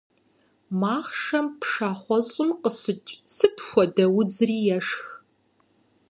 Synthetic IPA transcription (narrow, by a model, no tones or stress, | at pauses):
maːχʂɐmpʰʂaːχʷɔɕʼɪmqəsɪt͡ʃʼsɨtʰxʷɔdɐwʊd͡zɨriːjɛʂx